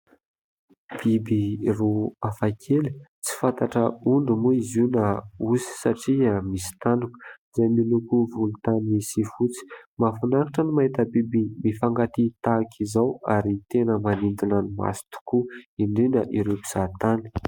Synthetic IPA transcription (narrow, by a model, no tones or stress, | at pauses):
b̥ibiruafakʰeli̥t͡si̥fant̪aʈ͡ʂəuɳɖ͡ʐumuizunəusi̥saʈ͡ʂiamisi̥t̪anukizajmilukuvulut̪anisifut͡si̥mafanaŋiʈ͡ʂənimaɦit̪əbibimifaŋɡat̪it̪akʰizawaɾit̪enəmanind̪inanima̰si̥t̪u̥kuiɳɖ͡ʐinəʔiɾepi̥z̥at̪ani̥